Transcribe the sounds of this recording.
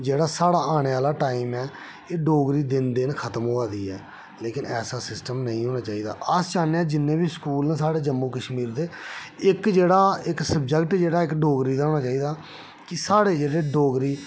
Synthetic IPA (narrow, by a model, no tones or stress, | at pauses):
d͡ʒeːɽaːsaːɽaːaːɽ̃eːaːlaːʈaːiːmɛː | eːɖoːɡɾiːd̪ɪnd̪eːnkʰət̪əmɦoːaːd̪iːɛː | leːkɪnɛːsaːsɪsʈəmnəĩːɦoːñaːt͡ʃaːiːd̪a̰ːʔəst͡ʃaːneaːd͡ʒɪnːẽːbiːskuːlnẽːsaːɽeːd͡ʒəmːũːkəʃmiːɾd̪eːɪkd͡ʒeːɽaːɪksəb̚d͡ʒəkʈd͡ʒeːɽaːɪkɖoːɡɾiːd̪aːɦoːñaːt͡ʃaːiːd̪aː | kɪsaːɽeːd͡ʒeːɽeːɖoːɡɾiː